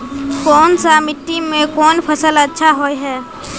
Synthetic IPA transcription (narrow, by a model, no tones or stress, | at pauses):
kɔːnsamɪʈːimẽkɔːnpʰəsələtːʃʰaɦoːeɦɛː